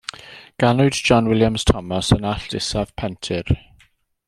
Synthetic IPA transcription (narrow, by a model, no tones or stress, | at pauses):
ɡ̥anʊdd͡ʒɔnwɪljamz̥tʰɔməsənaɬd̥ɪsav̥pʰɛntʰɪɹ